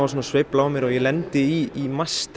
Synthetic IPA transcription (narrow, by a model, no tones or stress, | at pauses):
vas̬uːnasvɪplaɔmjɛɾɔjɛlɛnt̪ɪiimast̪